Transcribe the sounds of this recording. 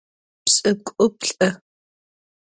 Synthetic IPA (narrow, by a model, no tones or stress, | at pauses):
psʼɐkʷʼʊpɬʼɐ